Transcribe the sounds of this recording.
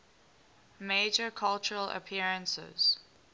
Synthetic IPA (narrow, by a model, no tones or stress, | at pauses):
meːd͡ʒəkʰalt͡ʃəɹələ̰pʰiəɹə̃nsɪ̰z̥